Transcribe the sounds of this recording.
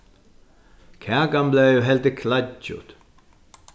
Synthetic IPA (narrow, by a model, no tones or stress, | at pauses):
kʰɛːkamblɛjʏɦɛlt̪ɪkʰlat͡ʃʊ̰t̪